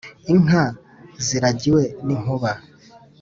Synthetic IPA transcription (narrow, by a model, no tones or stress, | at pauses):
iŋ̥a | ziɾaɟiweniŋ̥uβa